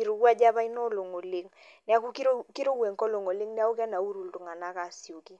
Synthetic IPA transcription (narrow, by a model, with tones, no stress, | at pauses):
i˨ɾo˨kwa˦d͡ʒa˦βa˦i˦nɔ˦lo˨ŋo˨le˦ŋ | nɪ˦a˦ku˦ki˦ɾkɪ˦ɾo˦we˨ŋkɔ˦lo˨ŋo˨lɪ˦ŋnja˦u˦kɛ˦na˨u˦ɾu˨ltu˨ŋa˨na˦ka˨sjo˨ki˦